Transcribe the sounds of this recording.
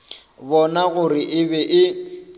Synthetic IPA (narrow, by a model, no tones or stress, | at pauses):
bɔnaɣʊrɪʔɪbɛʔɪ